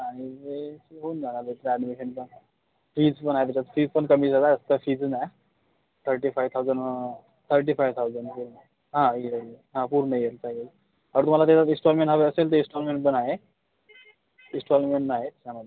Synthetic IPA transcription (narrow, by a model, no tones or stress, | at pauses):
añid͡zeɦoːnd͡zʱanalet̪ɾænimeɕənpən | fiːd͡zpənaɦet̪et͡ɕat͡sfiːd͡zpəɳkəmiːd͡zəlaəst̪əfiːd͡znae | t̪ʰəɾʈiːfajʋt̪ʰawd͡zəɳ | t̪ʰəɾʈ̬iːfajʋt̪ʰawzəɳɖpuɾn | ɦãiəɦãpuːɾnəjelt͡saɡel | aəɾt̪um̤alat̪̬at͡ɕat̪ĩsʈɔlmẽɳʈɦəʋeəselt̪əĩsʈɔlmeɳʈpənaɦe | isʈɔlmeɳʈnaɦet̪t͡ɕaməd̪ʱe